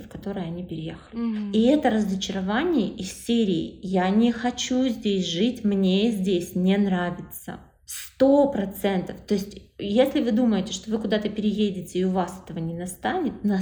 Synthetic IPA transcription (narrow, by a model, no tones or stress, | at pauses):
fkɐt̪o̞ɾɨjəɐnʲipʲɪɾʲɪjexəlʲɪiɛt̪əɾəzət͡ɕɪɾɐvanʲɪjəʔɪssʲeɾʲɪ̰ːjanʲɪxɐt͡ɕuzʲdʲesʲʐɨtʲmnʲezʲdʲesʲnʲenɾavʲɪt̪sə̰ | st̪o̞pɾɐt̪sɛnt̪əft̪o̞ɪsʲtʲjesʲlʲɪvɨd̪uməjɪtʲɪʂt̪o̞vɨkʊd̪at̪əpʲɪɾʲɪjedʲɪtʲɪːʊvasɛ̥t̪əvənʲɪnɐst̪anʲɪt̪̚nɐ